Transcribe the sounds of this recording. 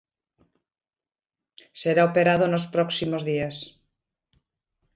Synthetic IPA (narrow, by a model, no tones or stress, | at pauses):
seɾaopeɾaðonospɾɔksimozðias